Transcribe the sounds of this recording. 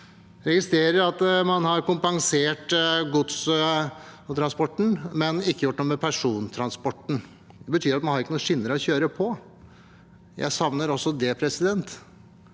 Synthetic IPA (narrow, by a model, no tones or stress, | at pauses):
ɾɛɡɪst̪ɾeːɾəɾɑt̪mɑnhɑɾkʊmpɑŋseːʈɡʊt̪s | t̪ʰɾɑnspɔʈːɳ̩mɛnɪkːəjʊʈːnuːəmɛpʰæʂuːnt̪ʰɾɑnspɔʈːɳ̩ | d̪ɛbət̪ʰyːɾɑt̪mɑnhɑɾɪkːənuːəʂɪnːəɾɔçøːɾəpʰɔ | jæ̰ɪsɑʋnəɾɔsːɔd̪ɛpʰɾɛsɪd̪ɛnt̪